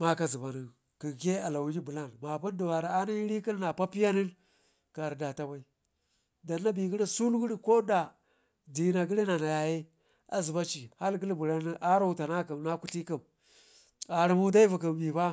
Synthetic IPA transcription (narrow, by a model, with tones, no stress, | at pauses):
ma˦ka˦zi˨ba˨ni˨ | ki˨ke˦a˨la˨wu˨˦d͡ʒi˦bu˨la˦˨nma˨pu˦ndu˨wa˨ɾa˨a˦na˦ɾi˦ki˦n˦na˨pa˦pi˦ja˦ni˦n | ka˨ɾda˨ta˨wa˦i˦ | da˨nːa˦bi˨ɡi˦ɾi˦su˦lɡu˦ɾi˦ko˦da˨ | di˨na˨ɡi˦ɾi˦na˨na˨ja˨je˦ | a̰˨zi˨ba˦t͡ʃi˨ha˦lɡə˦lbu˨la˦ni˦ʔa˦ɾa˦u˨ta˨na˦kɨ˨mna˦ku˦ɬi˦ki˨m | a˨ɾi˨mu˦da˦i˦vu˨k̬i˨mbi˨ba˦